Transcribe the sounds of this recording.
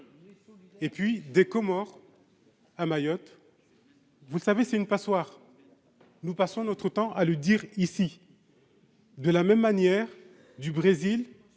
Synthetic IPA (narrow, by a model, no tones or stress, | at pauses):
epɥid̪ekɔmɔʁ | amajɔt̪ | vuləsavesɛt̪ynpaswaʁ | nupasɔ̃nɔt̪χət̪ɑ̃ʔaləd̪iʁisi | d̪əlamɛmːanjɛʁ | d̪ybʁezil